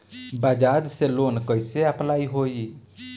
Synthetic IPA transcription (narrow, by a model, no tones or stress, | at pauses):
bad͡ʒad̪selonkəjseəplaiɦoi